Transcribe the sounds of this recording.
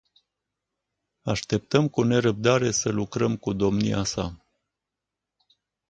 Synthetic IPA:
aʃt̪e̞p̚t̪əmkune̞ɾəb̚d̪aɾe̞səlukɾəmkud̪o̞mnḭasa

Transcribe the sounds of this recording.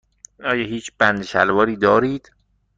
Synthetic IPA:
ɒːjɒɦiːt͡ʃʰb̥ænd̪eʃælvɒːɾiːd̪ɒːɾiːd̪̥

